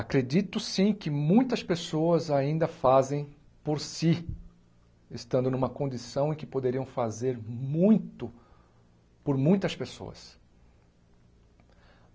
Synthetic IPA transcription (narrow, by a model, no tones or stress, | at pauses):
akɾed͡ʒit̪ʊsĩkɪmũj̃t̪ɐspesoɐzaĩnd̪ɐfazẽj̃ | poɾsi | est̪ɐ̃nd̪ʊnũmɐkõd͡ʒisɐ̃w̃ẽkɪpod̪eɾiɐ̃w̃fazeɾmũj̃t̪ʊ | poɾmũj̃t̪ɐspeso̰ɐ̰s